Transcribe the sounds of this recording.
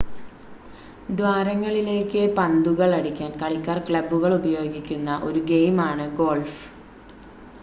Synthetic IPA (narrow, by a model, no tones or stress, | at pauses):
d̪ʋaːɾɐŋːɐɭile̞ːkːɨpɐnd̪uɣɐɭɐɽikʲːaːnkɐɭikːɐːrkɭɐbuɣɐɭubɐjo̞ːɡikʲːunːɐʔo̞ɾuɡe̞jmaːɳɨɡo̞ːlf